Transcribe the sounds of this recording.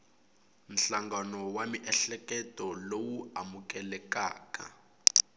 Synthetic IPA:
m̩ɬaŋɡanɔwamiʔɛɬɛkɛtʼɔlowuamukɛlɛkaːka̰

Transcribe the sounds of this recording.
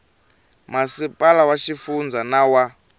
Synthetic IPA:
masipʼalawaʃifund͡zanawa

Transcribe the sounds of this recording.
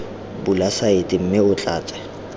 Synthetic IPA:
bulasaɪtʼɪm̩mɪʊt͡ɬʼaːt͡sʼɛ̥

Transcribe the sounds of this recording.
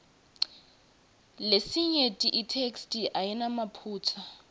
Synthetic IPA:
lesiɲetʼiʔitʰekstʼiʔajinamapʰuːt͡sʰa

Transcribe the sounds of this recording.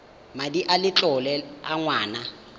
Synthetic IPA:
madiʔalɪt͡ɬʼɔlɛa̰ŋwaːna

